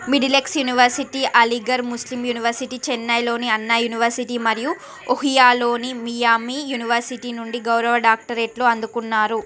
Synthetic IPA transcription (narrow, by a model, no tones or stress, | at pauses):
miɖileksjuniʋɐɾsiʈiːʔɐliɡɐɾmuslimjuːniʋɐɾsiʈiːt͡ʃɛnːɐjlo̞ːniɐnːɐjuniʋɐɾsiʈiːmɐɾiju | oɦijaːlo̞ːnimijaːmiːjuniʋɐɾsiʈiːnuɳɖiɡɐwɾɐʋɐɖaːk̚ʈɐɾeːʈlo̞ːɐnd̪ukunːaːɾu